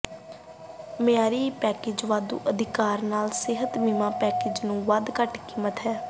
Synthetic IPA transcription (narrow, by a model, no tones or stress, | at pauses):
mɪjaːɾiːpɛːkeːd͡ʒʋaːd̪ṵːʔəd̪ɪkaːɾnaːlsɪɦət̪miːmãːpɛːkeːd͡ʒnũːʋad̪kəʈkiːmət̪ɦɛː